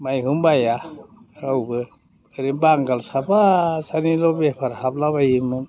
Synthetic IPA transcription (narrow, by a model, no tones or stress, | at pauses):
majɦumbaja | awbɯ | eɾimbaŋɡalsapasanilobepʰaɾhablaβajimɯn